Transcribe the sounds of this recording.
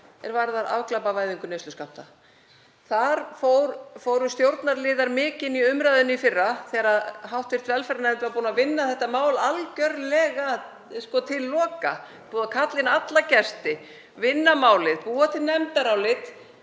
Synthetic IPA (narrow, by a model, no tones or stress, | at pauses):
ɛ̰ɾvaɾθaɾa̰vklapavaːjðʏŋkʏnejsʏskawht̪a | θaɾfowɾfoːwɾʏst̪jowɾt̪naɾlɪːðaɾmɪːcɪniʏmɾaːjðʏnifɪrːaθɛːɾaðɦawht̪vɪɾ̥t̪vɛlfɛɾanɛmt̪ɪvaɾpuːnavɪnːaθɛht̪ːamaːwlalcœɾlɛːɣa | skɔt̪ʰɪlːɔːka | puːðakʰat̪lɪnat̪lacɛst̪ɪ | vɪnːamaːwlɪðpuːat̪ʰɪlnɛmt̪aɾawlɪt̪